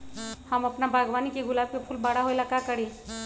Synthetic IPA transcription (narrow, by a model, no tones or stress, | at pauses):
hamapnabʱaɡʋanikiɡulab̚kepʰuːlbaɽaɦojlakakəɽ̤i